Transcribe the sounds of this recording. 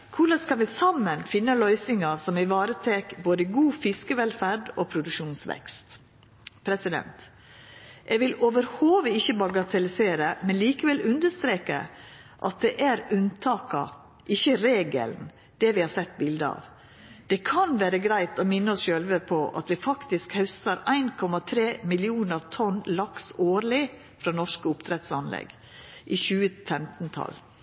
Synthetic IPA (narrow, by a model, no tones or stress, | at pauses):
kʰʊlɑskɑnʋɪsɑmːənfɪnːəlœʏsɪŋɑsɔmɪʋɑːɾət̪ʰeːkboːd̪əɡuːfɪskəʋɛlfæɖoːpʰɾʊd̪ʉkʂuːnsʋɛ̰kst̪ | pʰɾɛsɪd̪ɛ̰nt̪ | ʔɛɡʋɪloːʋəɾhoːʋəɪçːəbɑɡɑt̪ʰɛlɪseːɾəmɛnliːkəʋɛlʉnd̪əst̪ɾeːkə̰ | ʔɑ̰t̪̚d̪ɛʔæɾʉnt̪ʰɑːkɑ̰ | ʔɪçːəɾeːɡə̰ln̩ | d̪̥ɛʋɪhɑːɾsɛt̪ːbɪld̪əɑ̰ʋ | d̪̥ɛkʰɑnʋæːɾəɡɾæɪt̪ɔmɪnːəɔsʃøːlʋəpʰɔʔɑ̰t̪ʋɪfɑkt̪ɪskhɑʉst̪əɾæɪnkʰɔmɑt̪ʰɾeːmɪlɪuːnəɾt̪ʰɔnlɑksoːɾlɪ | fɾɑːnɔʂkəʊpt̪ʰɾɛt̪sɑnlɛ̰ɡ | ʔɪːçʉːəfɛmt̪nt̪ʰɑ̰l